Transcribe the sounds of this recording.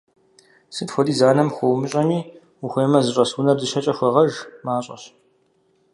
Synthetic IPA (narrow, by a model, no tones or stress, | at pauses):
sɨtxʷɔdiːzaːnɐmxʷɔwmɨɕʼɐmiː | uxʷeːmɐzɨɕʼɐsuːnɐrdɨɕɐt͡ʃʼɐxʷɐʁɐʒmaːɕʼɐ̰ɕ